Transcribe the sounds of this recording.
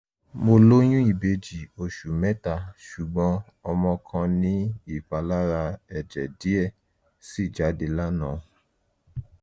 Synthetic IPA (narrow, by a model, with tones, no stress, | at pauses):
mo˧lo˦j̃ũ˦i˦˨be˧d͡ʒi˨o˨ʃu˨mɛ˦ta˧˨ʃu˨ɡ͡bɔ̃˨˦ | ɔ˧mɔ̃˧kʰã˧nĩ˦i˦˨ɸa˨˧la˦ɾa˧ɛ˨d͡ʒɛ̰˨di˦ɛ˦˨ | si˦˨d͡ʒa˨˦de˧la˦nã˨